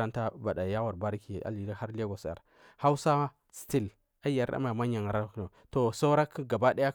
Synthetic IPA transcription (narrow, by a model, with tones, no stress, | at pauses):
a˦nta˦ba˨ɗa˨ja˦wa˨ɾba˦ɾi˦ki˨a̰˨li˨˦ɾa˦ha˦ɾle˦ɡo˨sja̰˨ɾ | ha˦wsa˦ | sti˦l | a˦a˨ɾa̰˦ma˨ma˦ɲa˨ŋa˨ɾa˦kno˨ | to˨sa˦wɾa˦kɡa˨ba˦ɗa˦ja˦